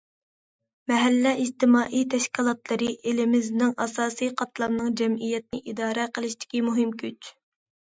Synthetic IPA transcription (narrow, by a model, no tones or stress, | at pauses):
mɛɦælːɛid͡ʒt̪ɪmɑːʔijt̪ʰɛʃkʲilˠɑt̪lˠɨɾɨʔelɪmɪznɪŋʔɑsɑːsijqʰɑt̪ʰlˠɑmnɨŋd͡ʒɛmijɛt̪̚nɪʔid̪ɑːɾɛqʰəlˠɨʃt̪ɪ̥kʲimuɦɪmkʲʰyt͡ʃ